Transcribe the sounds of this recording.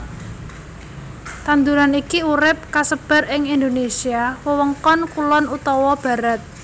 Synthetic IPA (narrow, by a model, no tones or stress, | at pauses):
t̪and̪uɾanikiuɾɪp̚kasəb̥a̤rɪŋind̪onesiawəwəŋkɔnkulɔnut̪ɔwɔb̥ä̤ɾat̪̚